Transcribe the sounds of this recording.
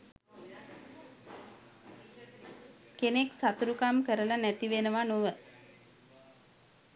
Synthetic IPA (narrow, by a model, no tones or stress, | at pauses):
keneksat̪uɾukamkəɾəlanæt̪iʋenəʋanuʋə